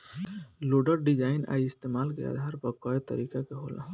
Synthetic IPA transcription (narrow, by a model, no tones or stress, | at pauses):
loɖəɾɖid͡ʒaina̰jist̪emalkḛa̰d̪ʱaɾpəkɔet̪əɾikakeɦola̰